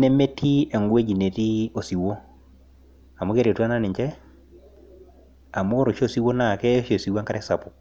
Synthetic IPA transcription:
ne˦me˦tʰi˦ɛ˨ŋɡwe˦d͡ʒi˨ne˨ti˦o˨si˨wo˦ | a˨mu˦ke˦ɾe˨twa˦na˦nɪ˨ɲt͡ʃɛ˦ | a˨mo˦ɾo˨ʃo˦˨si˦wo˦na˨kɛ˦ʃe˨si˨wa˦ŋka˦ɾɛ˦sa˨pʊ˨

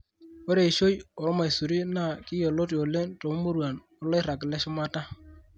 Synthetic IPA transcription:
o˦ɾe˨i˨ʃo˦jɔ˨ɾɔ˦ma˨i˨su˨ɾi˦na˦˨kɪ˦jɔ˨lo˦t̬i˨o˨le˦nto˨˦mo˦ɾwa˨n | ɔ˦lɔ˦ɪ˦ɾa˨k̬lɛ˦ʃʊ˦ma˦ta˦

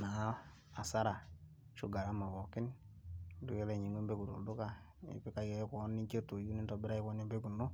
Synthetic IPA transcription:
na˨˦ | a˨sa˦ɾa˨ | ʃu˦ɡa˨ɾa˦ma˨βɔ˨kɪ˦n | du˦kɛ˦le˨ɲi˨me˦mbe˦ku˨tṵ˨du˦ka˦ | ḭ˨pɪ˦ka˨kɛ˦kɔ˨˦ni˦t͡ʃe˦to˨ju˦ni˦ntɔ˨bɪ˦ɾa˦jkɔ˦ni˦mbe˦ku˨nːo˦

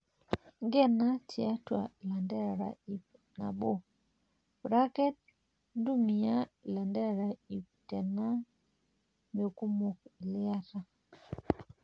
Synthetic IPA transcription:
ŋɡɛ˦na˦tʰi˨a˦twa̰˨la˨ndɛ˦a˨ɾa̰˨i˨p | na̰˨ɓo˦ | bɾa˦kɛ˦t̚ | ndu˦mi˨a˦la˨ndɛ˦a˨ɾa˨i˨ptɛ˨na˦ | mo˨ku˦mo˨klɪ˦a˦ɾa˨

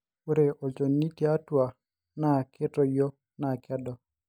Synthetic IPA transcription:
o˦ɾe˨ʔo˨t͡ʃo˨nːi˦ti˦a˦twa˨ | na˦˨kʰe˦tɔ˨jo˦ | na˨kɛ˦dɔ˨

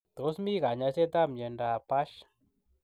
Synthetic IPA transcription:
t̪o˦smi˦ɣa˨ɲa˧se˦t̪a˦mɲe˧nda˧˨pa˦ʃ

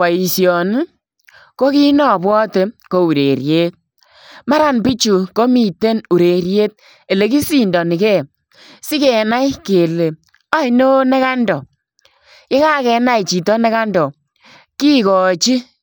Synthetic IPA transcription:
wa˨i˨sjɔ˨n˦ | ko˦ki˦nɔ˨bwɔ˦te˦ko˦u˨ɾe˨ɾje˦t̚ | ma˦ɾa˨npi˦t͡ʃu˨ko˦mi˨te˦nu˨ɾe˨ɾje˦t̚ | e˨le˨ki˦si˨ndɔ˨ni˨kɛ˦˨ | si˦kɛ˨na˦jke˨le˨ | a˦i˦no˦ne˦ka˦ndɔ˨ | kɪ˦ka˦kɛ˨˦na˦i˨t͡ʃi˨tɔ˦ne˦ka˦ndɔ˨ | ki˦kɔ˨t͡ʃi˦

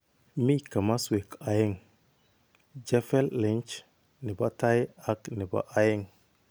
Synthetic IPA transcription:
mi˦ka˨ma˦swe˨ka˨ji˦ŋ | d͡ʒa˦fe˦lːi˨˦nt͡ʃ | ni˨ba˦ta˦ja˦kni˨ba̰˦ʔa˦ji˦ŋ

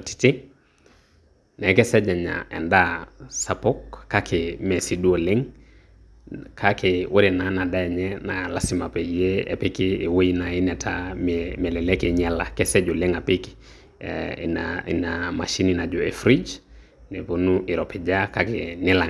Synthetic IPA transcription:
ti̥tɪ˦ | nɛkɛ˦sɛ˦d͡ʒɛ˨ɲa̰ʔɛ̰˨ndasa˨po˦kːa˦kʰɪmɛ˨si˨du˦o˨le˦ŋ | kʰakɪwʔo˦ɾɛ˨nana˨da˦ɛ˨ɲɛnala˦sɪ˨ma˨pɛ˨ijeɛ̰˨pɪ˦kɪː˨we˦i˦na˨ɪ˦nɛ˨tʰammɛ˨lɛ˨lɛ˦kɪɲɛ˦la˨kɛ˦sɛ˦d͡ʒɔ˨le˦ŋa˨pɪkɪ̥ | ai˨nama˨ʃi˦nina˨d͡ʒɔ˨ɛfɾi˦d͡ʒ | nɛ˨po˨nuʔɪ˨ɾɔpɪ˨d͡ʒaka˦kɪnɪ˦la˨

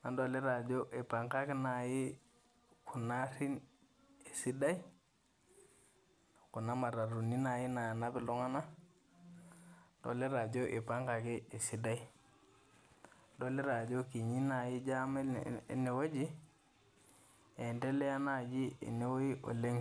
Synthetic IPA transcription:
na˨ndo˨le˦ɾa˨d͡ʒo˦ʔe˨pa˨ŋka˦ki˦na˨ji˦ | ku˨na˦ɾi˦n | e˨si˦da˦i˦ | ku˨na˦ma˨ɾa˨ɾu˨ni˦na˨ji˦na˨ja˨na˦bi˨lo˦ŋa˦na˦ | do̰˨le˦ɾa˨d͡ʒo˦ʔe˨pa˦ŋka˨ki˦e˨si˨da˦i˦ | do˦le˦ɾa˨d͡ʒo˦ki˨ɲi˦na˨ji˦d͡ʒa˦mḛ˦˨˦ne˨wo˦d͡ʒi˦ | e˨nde˦le˦ja˦na˦˨d͡ʒi˦ḛ˨ne˦wo˦ji˦ʔo̰˨le˦ŋ

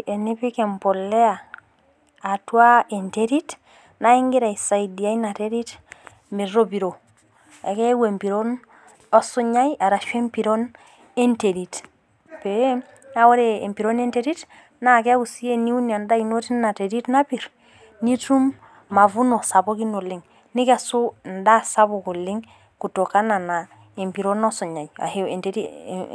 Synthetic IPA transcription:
e˨ni˦pi˦kɛ˨mpɔ˨lːɛ˦aː˨ | twa˦e˨nteɾi˦t | na˦i˦ŋɡi˦ɾa˨i˨sa˨idi˨a˦ina˨teɾi˦t | me˨ro˦pi˨ɾo˨ | e˨ke˦we˨mpi˨ɾon | ɔ˦su˦ɲa˦jʔa˨ɾa˨ʃwe˦mpi˨ɾon | e˦nte˨ɾit | pe | a˦wo˦ɾe˦ḛ˨mpi˨ɾonenteɾi˦t | na˦ke˦a˦ku˨si˦e˦ni˦u˦nia˨nda˦ino˦ti˦na˨te˨ɾi˦tna˦pi˨ɾ | ni˦tu˦mː | a˨vu˦no˨sa˨bo˦ki˦no˨liŋ | ni˦ka˨su˦nda˦sa˦boku˨li˦ŋ | ku˨to˨ka˦na˨na | e˨mpi˨ɾonɔsu˨ɲa˨ja̰˨he˦ḛ˨nteɾḭ

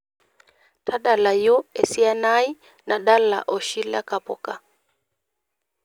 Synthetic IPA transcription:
tʰa˦ɗa˨la˨jo˦ɛ˨si˦a˦na˦i˦ | na˨ɗa˦la̰˨ʔɔ˨ʃi˦la̰˦ka˨pɔ̰˨ka˨

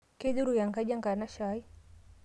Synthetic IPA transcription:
kɛ˦ɗu˦ɾu˨ja˨ŋɡa˦d͡ʒa˦ŋɡa˨na˦ʃai˦

